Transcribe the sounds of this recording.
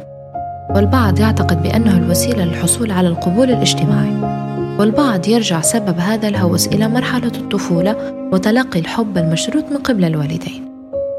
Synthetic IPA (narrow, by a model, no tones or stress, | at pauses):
wɪlbɑʕd̪ˤjɪʕt̪aqɪd̪̚bɪʔa̰nːahʊlwasiːlalɪlħʊsˤuːlʕalalqʊbuːlɪlʔɪʒ̥t̪ɪmaːʕiwɪlbɑʕd̪ˤjɪɾʒaʕsababɦaːðalɦawɪsʔɪ̰lamɑɾˤħalat̪ˤːʊfuːla | wɪt̪alɑqːilħʊbːalmaʃɾuːt̪mɪnqɪblalwaːlɪd̪eːn